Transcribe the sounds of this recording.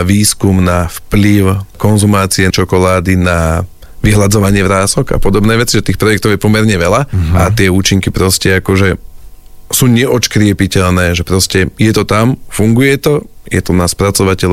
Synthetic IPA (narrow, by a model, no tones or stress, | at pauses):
ʋiːskumnafpliʊkɔnzumaːt͡siɛt͡ʃɔkɔlaːd̪ina | ʋiɦlad͡zɔʋaɲɪɛʋɾaːsɔɡa̰pɔd̪ɔbnɛːʋɛt͡siʒɛt̪iːxpɾɔjɛk̚t̪ɔʊjɛpɔmɛɾɲɛʋɛʎaat̪ɪɛuːt͡ʃiŋkipɾɔscɛakɔʒɛ | suːɲɛʔɔt͡ʃkɾɪɛpicɛʎnɛːʒɛpɾɔscɛjɛt̪ɔt̪amfuŋɡujɛt̪ɔjɛ̰t̪ɔnaspɾat͡sɔʋacɛʎ